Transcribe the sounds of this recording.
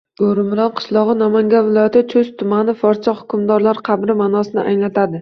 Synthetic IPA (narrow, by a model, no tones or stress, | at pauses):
oɾɪmɾɒnqʰɨ̥ʃlˠɒʁɨnɒmaŋɡʲanvɪlˠɒjat̪ɪt͡ʃʰɵz̥t̪ʰʊmanɪfɒɾt͡ʃʰahʊ̥kʰʲʊmd̪ɒɾlaɾqʰɑbɾɪmaːnɒsɪnɪ̰ʔajlat̪ʰad̪ɪ